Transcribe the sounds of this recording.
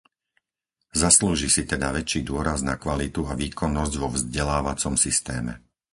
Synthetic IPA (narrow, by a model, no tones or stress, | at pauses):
zasluːʒisit̪ɛd̪aʋɛt͡ʃiːd̪ʊɔɾaznakʋalit̪uaʋiːkɔnːɔzɟʋɔvzɟɛlaːʋat͡sɔmsist̪ɛːmɛ̰